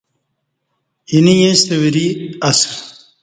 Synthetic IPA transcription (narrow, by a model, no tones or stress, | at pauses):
inijẽst̪ewiɾiɐsɾ